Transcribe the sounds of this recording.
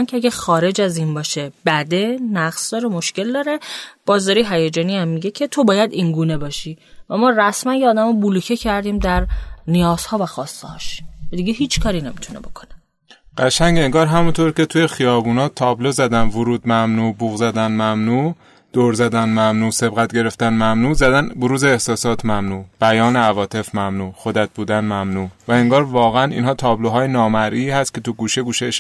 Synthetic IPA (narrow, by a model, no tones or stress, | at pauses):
ŋkʲʰeæɡʲæxɒːɾe̞d͡ʒæziːnbɒːʃeb̥æd̪e̞næɡsd̪ɒːɾemo̞ʃce̞ld̪ɒːɾe̞b̥ɒːzd̪ɒːɾiːɦæjed͡ʒɒːniæmːiɟe̞cʰe̞t̪ʰo̞bɒːjæd̪inɡuːne̞bɒːʃiːvæmɒːræsmænjeːd̪æmɒbulucʰecʰæɾd̪iːmd̪æɾnijɒːz̥hɒːvæxɒːst̪ehɒːʃvæd̪iɟeɦiːt͡ʃʰkʰɒːɾinemit̪ʰunebo̞̰kʰo̞̥ne | ɢ̥æʃæŋɟeŋɡɒːɾɦæmunt̪ʰoɾcʲʰe̞t̪ʰuje̞xijɒːbuːnɒːt̪ʰɒːblozæd̪ænvoɾuːd̪mæmnuːbuːɣzæd̪ænmæmnuː | d̪̥oɾzæd̪ænmæmnuːse̞bɣæt̪̚ɟe̞ɾe̞ft̪ænmæmnuːzæd̪ænboɾuːzeːhsɒːsɒːt̪ʰmæmnuːb̥æjɒːneævɒːt̪ʰe̞fmæmnuːxod̪æt̪̚buːd̪ænmæmnuːvæeŋɡɒːɾvɒːɣeænḭːnɦɒːt̪ʰɒːbloɦɒːjenɒːmæɾʔiːhæst̪kcʰe̞t̪uɡuːʃeɡuːʃeʃ